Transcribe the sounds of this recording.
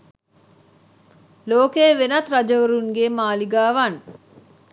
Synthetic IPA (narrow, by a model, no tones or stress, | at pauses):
loːkeːʋenɐt̪ɾɐd͡ʒɐʋuɾuŋɡeːmaːliɡaːʋan